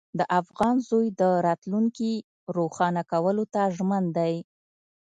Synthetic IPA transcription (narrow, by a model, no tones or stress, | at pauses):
d̪əʔafɣɑnzojd̪əɾɑt̪luŋki | ɾoxɑnakawəlot̪aʒmand̪aj